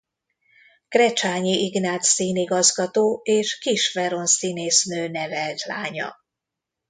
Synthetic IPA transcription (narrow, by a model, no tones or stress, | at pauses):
krɛt͡ʃaːɲiʔiɡnaːt̪siːniɡɒzɡɒt̪oːeːʃkiʃfɛɾo̞nsineːsnøːnɛvɛlt̪la̰ːɲɒ̰